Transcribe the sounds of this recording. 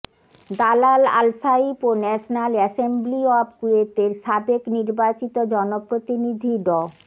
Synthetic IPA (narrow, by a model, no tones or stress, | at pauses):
d̪alala̰lsaiponɛʃonalɛsembliɔbkuet̪eɾʃabekniɾbat͡ɕit̪od͡ʑɔnopɾot̪inid̪ʱiɖɔ